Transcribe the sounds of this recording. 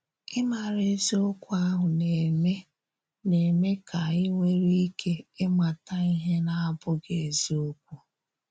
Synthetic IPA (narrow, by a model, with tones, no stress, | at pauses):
ɪ˦ma˨ɾe˦zi˦o˦kʷu˦a˦ɦʊ˨ne˨me˦ | ne˨me˦kʰa˨ɪ˦ŋʷe˦ɾi˦kʰe˦e˦ma˨ta˨i˦ɦe˦na˦a˦bʊ˦ɡe˨e˨zi˦o˦k̚ʷu˦